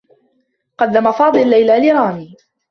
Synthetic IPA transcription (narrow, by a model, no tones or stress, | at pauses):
qɑd̪ːamafɑːd̪ˤɨllːajlaːlɪɾˤɑːmiː